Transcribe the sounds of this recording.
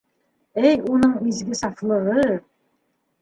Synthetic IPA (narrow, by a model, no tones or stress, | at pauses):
æjunɤɴizɡɘsɑflˠɤ̆ʁɤ